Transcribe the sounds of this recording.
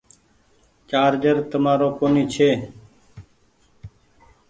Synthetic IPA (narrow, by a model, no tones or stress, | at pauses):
t͡ʃaːɾd͡ʒəɾt̪əmaːɾoːkoːniːt͡ʃʰeː